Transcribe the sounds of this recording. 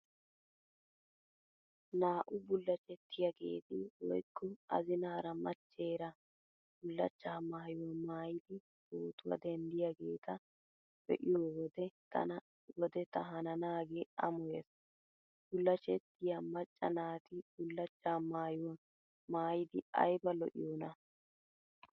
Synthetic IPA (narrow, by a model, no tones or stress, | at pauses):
naːʔʊbʊlːɐt͡ʃʼɛt̪ːɪjɐɡe̞̰ːt̪ɪwɔ̰jkːɔɐ̰zɪnaːɾɐmɐt͡ʃːe̞ːɾɐ | b̥ʊlːɐt͡ʃːaːmaːjʊwɐmaːjɪd̪ɪ | toːt̪ʊwɐ̰d̪ɛnd̪ɪjaɡe̞ːt̪ɐ | bɛ̰ʔɪjoːwɔd̪ɛt̪ʰɐ̰nɐ | wɔd̪ɛt̪ɐɦɐnɐnaːɡeɐmɔjes | b̥ʊlːɐt͡ʃɛt̪ːɪjamɐt͡ʃʼːɐ̰naːt̪ɪb̥ʊlːɐt͡ʃʼːaːmaːjʊwɐ | maːjɪd̪ɪɐ̰jbɐlɔ̰ʔɪ̰joːnɐ